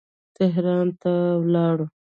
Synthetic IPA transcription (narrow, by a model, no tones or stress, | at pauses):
t̪ɪɦɾɑnt̪awlɑɽu